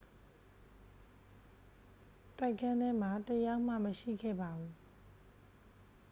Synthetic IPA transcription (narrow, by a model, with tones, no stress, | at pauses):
ta˦˨ɪkʰã˦nɛ˦m̥a˨təja˦ʔm̥a̰˦˨məʃḭ˦˨ɡɛ̰˦˨ba˨u˨